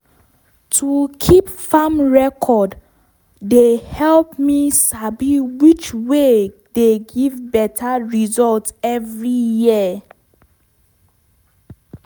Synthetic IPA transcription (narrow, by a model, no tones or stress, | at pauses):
tʰukʰipfamɹɛkʰɔdː | ehɛlpmisabiwit͡ʃwe | deɡivbɛtʰaɹizɔltɛvɹijiə